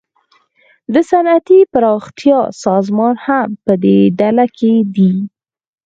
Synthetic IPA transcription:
d̪əsanat̪ipəɾɑxt̪jɑsɑzmɑnhampəd̪eɖalaked̪i

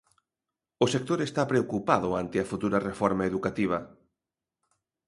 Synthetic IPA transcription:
ʊsek̚t̪oɾest̪apɾeokupaðʊant̪ɪɐfut̪uɾɐrefɔɾmaeðukat̪iβ̞ɐ

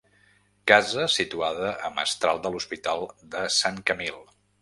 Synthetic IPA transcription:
kazəsit̪uaðəʔəmə̰st̪ɾalˠd̪əluspit̪alˠd̪əsaŋkəmilˠ

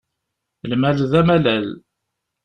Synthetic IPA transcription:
lmælðæmælæl

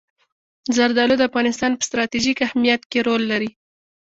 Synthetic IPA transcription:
zaɾd̪ɑlod̪əafɣɑnɪst̪ɑnpə̥st̪ɾɑt̪iʒikahmijat̪keɾolːaɾi

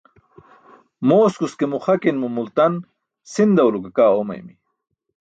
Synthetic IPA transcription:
moːskuskemuχɐkinmumult̪ɐn | sind̪ɐwlukɐkaːomɐ̰jmi

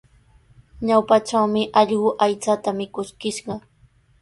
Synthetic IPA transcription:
ɲawpaʈ͡ʂawmɪʔɑʎɢʊʔajt͡sat̪amɪkʊskɪʃɢɑ

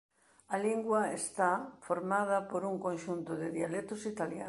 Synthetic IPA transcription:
ɐliŋɡwɐest̪afoɾmað̞ɐpoɾuŋkõnʃunt̪ʊðɪðialet̪ʊsit̪alja̰

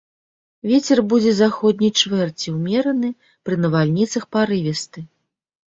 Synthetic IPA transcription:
vʲet͡sʲɛrbud͡zʲɛzaxɔd̪̚ʲnʲijt͡ʂvɛrt͡sʲiwmʲɛɾɐnɨ | pɾɨnɐvalʲnʲit̪sɐxpaɾɨvʲɛst̪ɨ

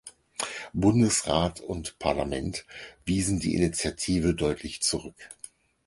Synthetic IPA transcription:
bʊndəsʁaːtʊntpʰaɐlamɛntv̥iːzn̩dḭːʔɪ̰nit͡sjatʰiːvədɔʏtʰlɪçt͡suʁʏk

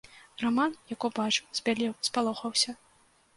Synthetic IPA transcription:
ramanjakɔbat͡ʂɨwz̥ʲbʲalʲɛwspalˠɔxɐwsʲɐ

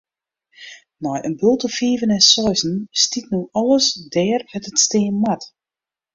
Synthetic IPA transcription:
nɔjʔənbølˠtəfiːvənɛnsɔjzn̩stitnuɔlˠəsdɛːrhɛtətsteːnmat

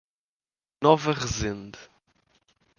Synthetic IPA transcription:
nɔvɐʁɨzẽnd̪

